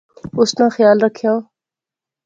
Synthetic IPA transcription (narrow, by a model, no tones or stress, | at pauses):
ʊsnãxjaːlɾɐkʰja